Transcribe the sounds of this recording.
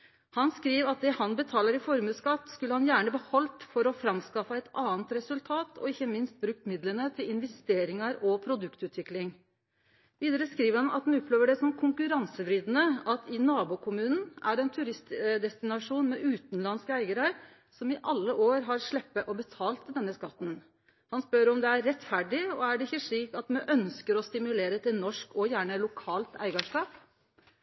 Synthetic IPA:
hɑnskɾiːʋɑt̪̚d̪ɛhɑnbət̪ʰɑːləɾɪfɔɾmʉːskɑt̪ːskʉləhɑnjæːɳəbəhɔlt̪fɔɾɔfɾɑmskɑfəɛɪt̪ʰɑːənt̪ɾɛsʉlt̪ʰɑːt̪ʰɔ̰ɪçːəmɪnst̪̚bɾʉk̚t̪mɪd̪lənət̪ʰɪlɪnʋɛst̪eːɾɪŋɑɾɔpʰɾʊd̪ʉkt̪ʉːt̪ʋɪklɪŋ | ʋiːd̪əɾəskɾiːʋəɾhɑnɑ̰t̪̚hɑnʊpʰːleːʋəɖɛsɔmkʰʊŋkʉɾɑnsəbɾiːd̪ənəʔɑt̪ʰɪnɑːbuːkʰʊmʉːnn̩ʔæɖɛnt̪ʰʉɾɪst̪d̪ɛst̪ɪnɑʂuːnmɛʔʉːt̪nlɑnskəæɪɡəɾɑɾ | sɔmɪʔɑlːəʔoːɾɦɑɾʂɭɛpːəʔɔbət̪ʰɑːlt̪d̪ɛnːəskɑt̪ːn | hɑnspœɾɔmd̪ɛæɾːɛt̪fæɖɪɔæɖɛɪçːəʂɭiːkɑt̪mɛʔœnskəɾɔst̪ɪmʉleːɾət̪ʰɪnɔʂkɔjæːɳəlʊkʰɑːlt̪æ̰ɪɡɑʂkɑːp

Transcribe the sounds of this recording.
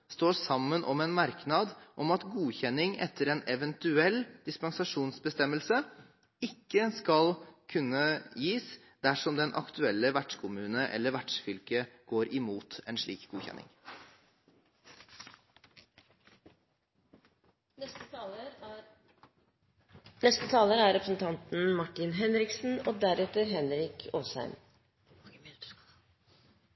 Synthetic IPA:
st̪oːʂɑmːənʔɔmɛnmɑɾknɑd̪ʔɔmɑt̪ɡuːçɛnːɪŋɛ̰t̪ʰːəɾɛnɛʋɛnt̪ʉɛlːd̪̥ɪspɛnsɑʂuːnsbəst̪ɛmːəlsə | ɪkːəskɑlkʰʉnːəjiːs | d̪æʂɔmd̪ɛnʔɑ̰kt̪ʰʉɛlːəʋæʈʂkʰʊmʉːnəʔɛ̰lːəɾʋæʈʂfʏlkəɡ̥oːɾʔɪmuːt̪ɛnʂɭḭːkɡuːçɛ̰nʔɪ̰ŋ | nɛst̪ət̪ʰɑːləɾæɾɾɛpɾəsn̩t̪ʰɑnt̪n̩mɑʈɪnɦɛnɾɪksn̩oːd̪æɾɛt̪əɾɦɛnɾɪkʰoːsæ̰ɪm

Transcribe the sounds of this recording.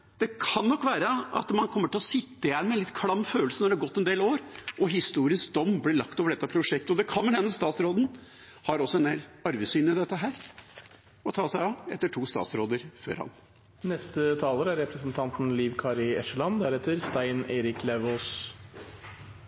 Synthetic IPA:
d̪̥ɛkʰɑnːɔkːʋæːɾəɑ̰t̪mɑnkʰɔmːəʈɪlɔsɪt̪ːəɪjɛnːmɛnlɪt̪̚kʰlɑmːføːlsənɔɖ̪ɛhɑɾɡɔt̪ːɛnd̪eːloːɾʔɔɦɪst̪uːɾɪskd̪ɔmːblɪɭɑkt̪oːʋəɖɛt̪ːəpʰɾʊʂɛkt̪əɔd̪ɛkʰɑnmɛnhɛnːəst̪ɑːt̪sɾoːd̪n̩ | hɑɾɔsːɔɛneːlɑɾʋɪsyːnəɪd̪ɛt̪ːəɦæːɾ | ɔt̪ʰɑːsæɪɑɛ̰t̪ːəʈʰuːst̪ɑ̰ːt̪sɾoːd̪əɾfø̰ːɾhɑ̰n | nɛst̪ət̪ʰɑːləɾæɾɛpɾəsn̩t̪ʰɑnt̪n̩liːʋkʰɑɾɪɛʂəlɑnd̪æɾɛːt̪əɾst̪æɪneːɾɪklɛʋoːs

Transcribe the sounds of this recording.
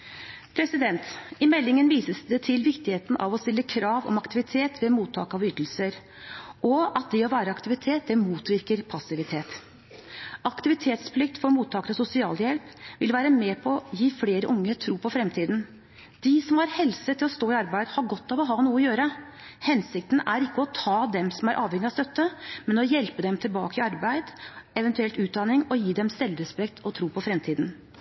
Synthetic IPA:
pʰɾɛsɪd̪ɛnt̪ɪmɛlːɪŋənʋiːsəsd̪ɛt̪ʰɪlʋɪkt̪ɪheːt̪n̩ʔɑ̰ʋɔst̪ɪlːəkʰɾɑːʋɔ̰mɑkt̪ɪʋɪt̪ʰeːt̪ʰʋɛmuːt̪ʰːɑ̰ːkɑʋʏt̪l̩səɾ | ʔɔɑt̪̚d̪ɛɔʋæːɾəɑkt̪ɪʋɪt̪ʰeːt̪̚d̪ɛmuːt̪ʋɪɾkəɾpʰɑsɪʋɪt̪ʰeːt̪ | ʔɑkt̪ɪʋɪt̪ʰeːt̪splɪk̚t̪fɔɾmuːt̪ʰːɑːkəɾɑsʊsɪɑːljɛlpʋɪlʋæːɾəmɛːpʰɔɔjiːfleːɾəʔʊŋːət̪ʰɾuːpʰɔfɾɛmt̪ʰiːd̪n | d̪̥ɪsɔmhɑɾhɛlsət̪ʰːɪlɔst̪oːɪɑɾbæɪd̪əhɑɾɡɔt̪ːɑʋɔɦɑːnuːəɔjøːɾə | hɛnsɪk̚t̪nʔæɾɪkːəɔt̪ʰɑːd̪ɛmsɔmæɾʔɑːʋhɛŋːɪɑst̪œt̪ːəmɛnɔjɛlpəd̪ɛmt̪ʰɪlbɑ̰ːkəɪɑɾbæɪd̪ɛʋɛnt̪ʉɛlt̪ʉːd̪ɑnɪŋɔjiːd̪ɛmst̪ɛlːɾɛspɛk̚t̪ʰɔt̪ʰɾuːpʰɔfɾɛmt̪ʰiːd̪n

